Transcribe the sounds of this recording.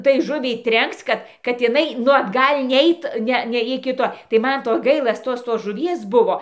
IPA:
tɐɪ ˈʒʊʋʲɛɪ ˈtʲrʲɛŋkt͡s ˈkɐt kɐt ɪˈnɐɪ ˈnʊ ɐdˈɡɐlʲ ˈnʲɛɪt ˈnʲɛ ˈnʲɛ ɪkʲɪ ˈtoː tɐɪ ˈmɐn ˈtoː ˈɡɐɪlˠɐ ˈtoːs toːs ʒʊˈʋʲiɛs ˈbʊʋoː

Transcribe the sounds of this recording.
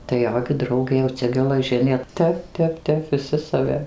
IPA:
tɐɪ ˈjoː ɡʲɪ ˈdrɐʊɡʲeː jɛʊ ˈt͡sʲɛ ɡʲɛlˠɐˈʒʲɪnʲeː ˈtʲɛp ˈtʲɛp ˈtʲɛp ʋʲɪˈsʲɪ sɐˈʋʲɪ

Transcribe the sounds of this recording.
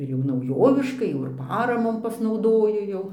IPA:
ɪr jɛʊ nɐʊˈjoːʋʲɪʃkɐɪ ˈjɛʊ ɪr ˈpɑːrɐmoːm pɐsnɐʊˈdoːjʊ ˈjɛʊ

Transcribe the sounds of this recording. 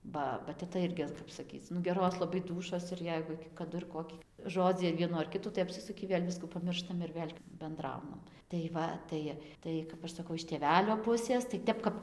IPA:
ˈbɐ bɐ tʲɛˈtɐ ˈɪrʲɡʲɪ ˈkɐp sɐˈkʲiːt͡s nʊ ˈɡʲæːroːs lˠɐˈbɐɪ ˈduːʃoːs ɪr ˈjɛɪɡʊ kɐˈdʊ ɪr ˈkoːkʲɪ ˈʒoːd͡zʲiː ɐr ˈʋʲiɛnuː ɐr ˈkʲɪtuː tɐɪ ɐpʲsʲɪˈsʊkʲɪ ˈʋʲeːlʲ ˈʋʲɪskuː pɐˈmʲɪrʃtɐm ɪr ˈʋʲeːlʲ bʲɛnˈdrɐʊnɐm tɐɪ ˈʋɐ ˈtɐɪ ˈtɐɪ kɐp ˈɐʃ sɐˈkɐʊ ɪʃ tʲeːˈʋʲæːlʲoː ˈpʊsʲeːs tɐɪ ˈtʲɛp kɐp

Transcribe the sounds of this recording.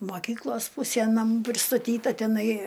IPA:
moːˈkʲiːklˠoːs ˈpʊsʲiɛ nɐˈmuː pʲrʲɪstɐˈtʲiːtɐ tʲɛˈnɐɪ

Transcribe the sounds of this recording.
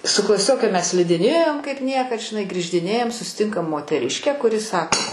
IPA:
sʊ klˠɐˈsʲoːkʲɛ ˈmʲɛs sʲlʲɪdʲɪˈnʲeːjoːm kɐɪp ˈnʲiɛkɐt ʒʲɪˈnɐɪ ɡrʲiːʒʲdʲɪˈnʲeːjɛm sʊsʲɪˈtʲɪŋkɐm moːtʲɛˈrʲɪʃʲkʲæː kʊˈrʲɪ ˈsɑːkoː

